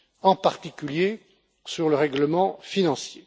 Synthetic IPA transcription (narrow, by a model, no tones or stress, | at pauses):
ɑ̃paʁt̪ikʲylje | syʁləʁɛɡləmɑ̃finɑ̃sje